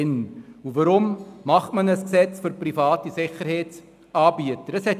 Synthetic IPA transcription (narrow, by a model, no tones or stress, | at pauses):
ɪnuvɑɾʊmmɑχmɐnəsksɛt͡sfyɾprifɑːtisɪχəɾhɛːt | ɑːbiətədəshɛt